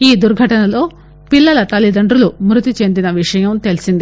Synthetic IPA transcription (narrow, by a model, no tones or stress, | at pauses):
iːd̪uɾɡʱɐʈɐnɐlo̞ː | pilːɐlɐt̪ɐlːid̪ɐɳɖɾulumɾut̪it͡ʃe̞nd̪inɐʋiʂɐjɐmt̪e̞lisind̪i